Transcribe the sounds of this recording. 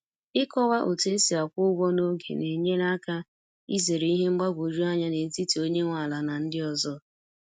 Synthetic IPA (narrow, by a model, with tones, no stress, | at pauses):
ɪ˦kɔ˦wa˦ʔo˨te˦si˨a˨kʷʊ˦ɡɔ˦no˦ɡḛ˨ne˨ɲe˦n˦a˦ka˦ | i˦ze˨ɾe˨˦i˦ɦe˦ŋ͡m̩˦ɡ͡ba˦ɡʷo˨ɾu˦a˦ɲa˦ne˨n̩˦ti˦ti˨o˦ɲe˦ŋʷa˨la˨na˨n̩˦dɪ˦ɔ˨zɔ˦